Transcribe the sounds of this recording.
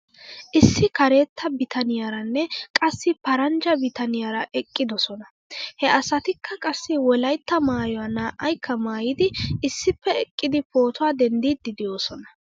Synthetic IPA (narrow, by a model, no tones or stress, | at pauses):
ʔɪsːɪkɐɾe̞ːt̪ːɐbɪt̪ʰɐnɪjaɾɐnːɛkʼɐsːɪpɐɾɐnd͡ʒɐbɪt̪ɐnɪjaɾɐʔɛkʼːɪd̪ɔsɔnɐ | hɛɐsɐt̪ɪkʰːɐkʼɐsːɪwɔlɐjt̪ːɐmaːjɔɐnaːʔɐjkʰːɐmaːjɪd̪ɪɪsːɪpːɛɛkʼːɪd̪ɪpo̞ːt̪ʊwaːd̪ɛnd̪iːd̪ːɪd̪ɪjo̞ːsɔnɐ̥